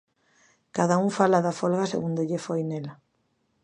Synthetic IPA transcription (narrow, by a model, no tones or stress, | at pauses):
kaðauŋfalaðafolɣasḛɣund̪eʎefojnela